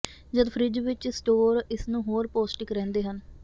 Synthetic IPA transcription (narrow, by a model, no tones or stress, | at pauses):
d͡ʒəd̪pʰɾɪd͡ʒʋɪt͡ʃsʈoːɾɪsnũːɦoːɾpoːsʈɪkɾɛ̃ːnd̪eːɦən